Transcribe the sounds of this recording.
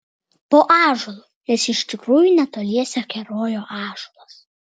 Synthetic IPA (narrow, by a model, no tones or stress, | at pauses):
poːʔɑːʒʊlˠu | nʲɛsɪʃʲt̪ʲɪkɾuːjunʲɛt̪oːlʲiɛsʲɛkʲɛɾoːjoːʔɑːʒulˠɐs